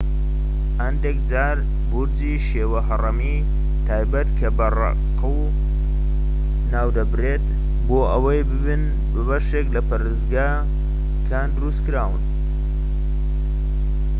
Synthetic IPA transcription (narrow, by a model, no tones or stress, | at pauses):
hɐnd̪ekd͡zaːɾ | buɾd͡ziːʃeːwɐɦɐrɐmi | t̪ʰaːjbɐt̪kʰɐbɐrɑ̰ | qɨw | naːwd̪ɐbɾet̪ | boːʔɐwɐjb | ɨn | bɨbɐʃeklɐpɐɾɨzɡaː | kʰaːnd̪ɨɾust̪kɨɾaːwɨ̰n